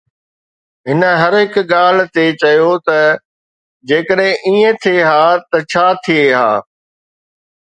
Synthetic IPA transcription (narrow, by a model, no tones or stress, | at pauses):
ɦɪnə̆ɦɐɾɦɪkɠaːl̤̆t̪et͡ɕɐjot̪ɐ | d͡ʑeːkəɗɦɪ̃ʔiːə̃t̪ʰieɦaːt̪ɐt͡ɕʰaːt̪ʰieɦa̰ː